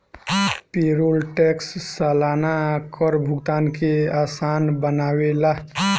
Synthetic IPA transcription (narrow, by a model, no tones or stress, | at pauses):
peːɾolʈeksːəlaːnakəɾbʱʊɡt̪aːnkeaːsaːnbənaːwelaː